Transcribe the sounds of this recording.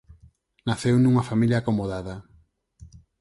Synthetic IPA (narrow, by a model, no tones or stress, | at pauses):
naθewnuŋɐfamiljaːkomoðaðɐ